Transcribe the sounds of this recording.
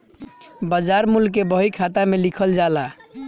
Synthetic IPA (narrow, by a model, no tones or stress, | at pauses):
bəd͡ʒaɾmulkebəɦikʰat̪amelikʰəld͡ʒala